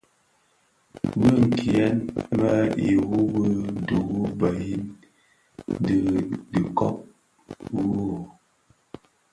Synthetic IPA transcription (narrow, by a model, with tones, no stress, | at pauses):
bə˦ŋ̩˨kʰi˨ɛ˦nba˦ḭ˨wu˦bə˦du˨ɣu˦ba˨ji˦n | də˨di˨kɔ̰˦p̚ | wu˦